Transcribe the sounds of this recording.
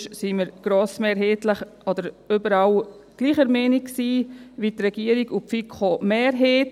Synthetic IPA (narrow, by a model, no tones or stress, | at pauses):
ʃsiməɾɡ̥ɾoːsmeːɾɦeːtləχɔd̪əɾ | ybəɾal | ɡ̥liːχəɾmɛːniksiːʋit̪rɛɡ̥iːəɾiɡupfikχomeːɾɦeːt